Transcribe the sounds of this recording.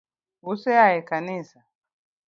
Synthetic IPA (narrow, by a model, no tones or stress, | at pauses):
usɛaɛkanisa